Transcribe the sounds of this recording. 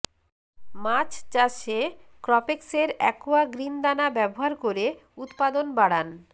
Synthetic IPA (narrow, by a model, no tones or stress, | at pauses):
mat͡ɕt͡ɕaʃekɾɔpekseɾɛ̰koaɡɾind̪anabɛboɦaɾkoɾe | ut̪pad̪onbaɽan